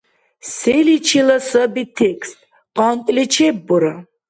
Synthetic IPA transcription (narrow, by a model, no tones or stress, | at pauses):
sɛlit͡ʃʰilɐsɐbit̪ʰɛkst̪ʼ | qʼɑnt̪ʼlit͡ʃʰɛbːuɾa